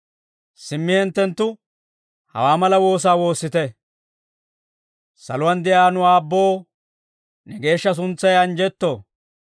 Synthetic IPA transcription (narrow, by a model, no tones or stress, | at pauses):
sɪmːɪhɛnt̪ːɛnt̪ːʊ | hɐ̰waːmɐlɐwo̞ːs̬aːwo̞ːsːɪt̪ɛ | sɐ̰lʊwɐnd̪ɪjaːnʊwaːbːo̞ː | nɛɡe̞ːʃːɐs̬ʊnt͡sːɐjɐnd͡ʒɛt̪ːoː